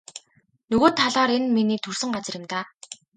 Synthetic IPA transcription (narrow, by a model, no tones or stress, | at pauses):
nɵɣoːt̪ʰːaɮɔːɾenminiːt̪ʰɵr̥sɵ̆ŋɢat͡sə̆rɪ̆mt̪aː